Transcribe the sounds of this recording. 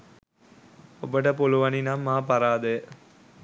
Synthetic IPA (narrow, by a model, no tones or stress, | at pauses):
obəʈəpoluʋɐninamːaːpaɾaːd̪ejə